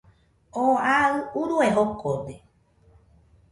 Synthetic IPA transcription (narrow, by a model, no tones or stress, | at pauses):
oaɨuɾueɦokʰode